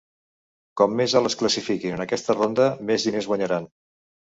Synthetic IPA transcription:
kɔmːezələskləsifikinənəkɛst̪ərond̪əmezðinezɣwəɲəɾan

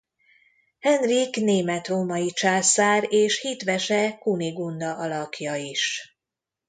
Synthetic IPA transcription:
hɛnrikneːmɛt̪roːmɒjit͡ʃaːsaːɾeːʃhit̪ʋɛʃɛkuniɡund̪ɒʔɒlɒkjɒiʃ

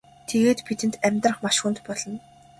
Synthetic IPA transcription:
t̪ʰeɣeːt̪pit̪ɘ̆nt̪æmʲt̪rə̆χmaʃxunt̪pɔɮɞ̆n

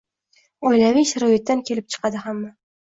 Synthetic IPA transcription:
ɒjlavɪʃaɾɒjɪt̪ːankʲʰe̞lɪp̚t͡ʃʰɨ̥qɑd̪ɪhamːa

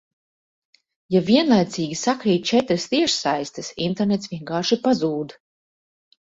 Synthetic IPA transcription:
javiɛnlˠajt̪siːɡʲisakɾiːt̪̚t͡ʃɛt̪ɾɨst̪iɛʃsajst̪ɨsḭnt̪eɾnet̪sviɛŋkaːʃipazuːd̪

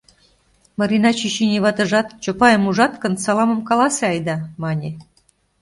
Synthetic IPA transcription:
mɤ̆ɾinɑt͡ɕiɕinʲiβɑt̪ɤ̆ʒɑt̪t͡ɕopɑjəmuʒɑt̪kɤnsɑlɑmɤ̆mkɑlɑsĕɑjd̪ɑmɑnʲe

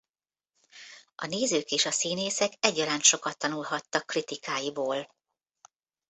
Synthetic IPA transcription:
ʔɒneːzøːkeːʃɒsiːneːsɛkɛɟːɒɾaːnʃo̞kɒt̪ːɒnulɦɒt̪ːɒkːrit̪ikaːjiboːl

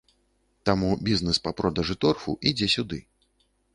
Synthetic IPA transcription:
t̪amubʲiznɛspapɾɔd̪ɐʐɨt̪ɔrfṵʔid͡zʲɛsʲud̪ɨ

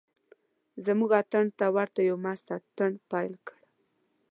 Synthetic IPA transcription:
zamuɡat̪əɳt̪awaɾt̪ajawmast̪at̪əɳpɑjlkəɽ

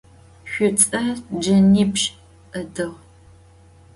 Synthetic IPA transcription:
ɕʷʊt͡sʼɐd͡ʒɐniːpɕ | ədɨʁ

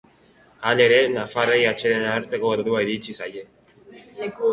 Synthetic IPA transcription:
ane̞ɾe̞nafaɾejat͡ʃe̞ðenaːɾt͡se̞ko̞eɾðuaiɾit͡ʃisaje̞

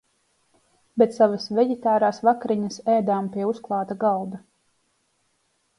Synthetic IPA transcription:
bɛt̪savasvʲɛɟɛt̪aːɾaːsvakɾiɲɐsɛːd̪aːmpiɛusklˠɑːt̪aɡalˠd̪a

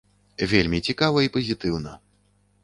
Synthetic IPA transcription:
vʲelʲmʲit͡sʲikavɐipɐzʲit̪ɨwnɐ

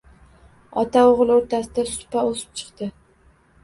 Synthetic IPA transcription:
ɒt̪ʰaoʁlˠoɾt̪ʰasɪd̪asʊ̥t̪paosɪ̥p̚t͡ʃʰɨ̥qt̪ɪ

